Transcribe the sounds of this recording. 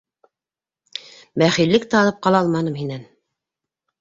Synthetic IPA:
bæχilːɘkt̪æɑlˠɤp̚qɑlˠɑɑlˠmɑnɤmhinæn

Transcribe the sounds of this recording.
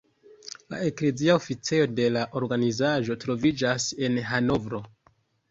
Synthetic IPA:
la̰ekle̞ziaofit͡sejo̞de̞laʔo̞ɾɡanizaʒo̞tɾo̞vid͡ʒase̞nɦano̞vɾo̞

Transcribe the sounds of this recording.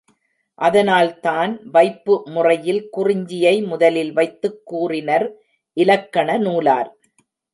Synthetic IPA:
ʔɐðɐnaːlt̪aːnʋɐɪpːɯmʊrɐjɪlkʊrɪɲd͡ʒɪjɐɪmʊðɐlɪlʋɐɪt̪ːɯkːuːrɪnɐɾ | ʔɪlɐkːɐɳɐnuːla̰ːɾ

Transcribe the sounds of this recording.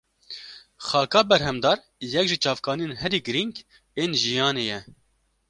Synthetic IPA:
xɑːkɑːbɛɾɦɛmd̪ɑːɾ | jɛkʒit͡ʃɑːvkɑːnijeːnɦɛɾiːɡɨɾiŋɡ | eːnʒijɑːneːjɛ

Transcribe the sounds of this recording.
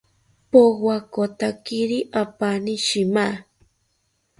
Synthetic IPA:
pokwakot̪akiɾiʔapaniʃima

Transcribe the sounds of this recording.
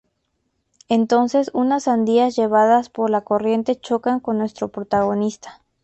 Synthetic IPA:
e̞nt̪o̞nse̞sunasand̪iazʝe̞β̞aðaspo̞ɾlako̞rje̞nt̪e̞t͡ʃo̞kaŋko̞nːwe̞st̪ɾo̞pɾot̪aɣ̞o̞nist̪ḁ

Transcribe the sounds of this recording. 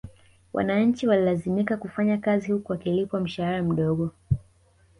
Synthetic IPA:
wʔa̰naɲ̩t͡ʃiwalilazimikakufaɲakazihukuwakilipwam̩ʃahaɾam̩ɗɔɠɔ

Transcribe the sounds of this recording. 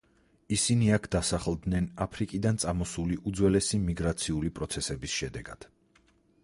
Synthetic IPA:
isiniakʰd̪̥asaχlˠd̪nɛnapʰɾikʼid̪ant̪sʼamɔsuliʔud̪zwɛlɛsimiɡɾat̪sʰiulipʼɾɔt̪sʰɛsɛbisʃɛd̪ɛɡad̪̥

